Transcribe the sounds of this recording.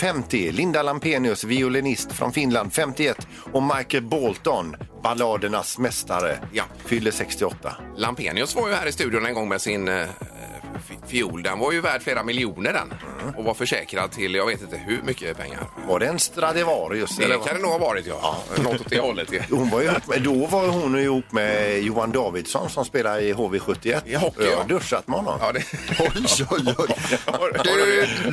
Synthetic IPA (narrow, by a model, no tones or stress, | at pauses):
fɛmt̪ɪlɪnd̪alampeːnɪɵsvɪʊlɪnɪst̪fɾɔ̰nfɪnland̪fɛmt̪ɪɛt̪ː | ɔmaɾkəbɔlt̪ɔnbalɑːd̪əɳasmɛst̪aɾə̰ja | fʏlːəsɛkst̪ɪɔt̪ːa̰lampḛːnɪɵsvaɾjɵhæːɾɪst̪ʉ̟d̪jʊnɛnɡɔŋːmɛsɪn | fɪuːld̪ɛnvaɾjɵvæːɖfleːɾamɪljuːnəɖɛ̰nɔvaɾfœʂɛːkɾad̪̚t̪ʰɪljɑːɡveːt̪ɪnt̪əhʉmʏkːəpʰɛ̰ŋːa̰ɾvaɖɛɛnst̪ɾad̪ɛvɑːɾjɵst̪ɛlːɛkand̪ɛnuːɡhɑvɑːɾɪt̪jɑ̰ːnɔt̪ːɔt̪d̪ɛhɔlːət̪ːhʊnvaɾjɪhupːmɛd̪ɔvaɾhʊnɪɪhuːpːmɛjuːand̪ɑːvɪd̪sɔ̰nsɔmspeːlaɪɦoːveːɧɵt̪ːɪɛt̪ːhɔd̪ɵʂat̪mɛhɔnːɔ̰mɑːd̪ɛɔ